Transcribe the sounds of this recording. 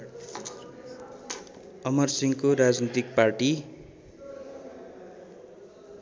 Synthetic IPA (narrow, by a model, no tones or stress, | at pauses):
ʌmʌrsiŋkoɾad͡znit̪ik̚parʈi